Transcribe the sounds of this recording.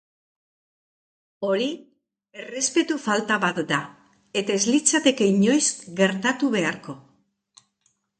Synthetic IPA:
o̞ɾi | e̞re̞spe̞t̪ufalt̪aβat̪d̪a | e̞t̪aezlit͡sat̪e̞ke̞iɲo̞jsɡe̞ɾt̪at̪uβe̞aɾko̞

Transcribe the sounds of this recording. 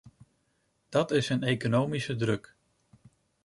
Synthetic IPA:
d̥ɑtɪsənejkonowmisədrɵk

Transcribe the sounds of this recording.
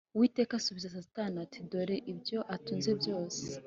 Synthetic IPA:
wiːte̞ːkasuβizas̬asi̥tanatʰidoɾeʔibjo̞ʔatuːnzebjo̞ːse̥

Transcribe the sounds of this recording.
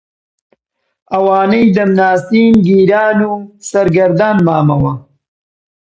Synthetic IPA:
ɐwɑːnəjd̪əmnaːsinɡiːɾɑːnusɐɾɡɐɾd̪aːnmɑːmɐwa

